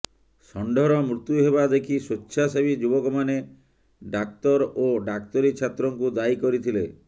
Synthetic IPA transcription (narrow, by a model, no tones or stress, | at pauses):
sɔɳɖɔɾɔmɾut̪juɦeβad̪ekʰisutːʃʰasabid͡ʒubɔkɔmane | ɖakt̪ɔɾoɖak̚t̪ɔɾit͡ʃʰat̪ɾɔŋkud̪aikɔɾit̪ʰile